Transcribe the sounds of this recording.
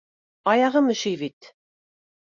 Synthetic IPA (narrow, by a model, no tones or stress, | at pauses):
ɑjɑʁɤmɘ̆ʃijβit̪